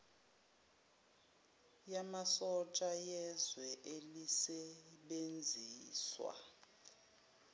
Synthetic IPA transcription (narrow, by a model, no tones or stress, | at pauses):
jamasɔt͡ʃʼajɛzwɛʔelisɛɓend͡zʱiːswa̰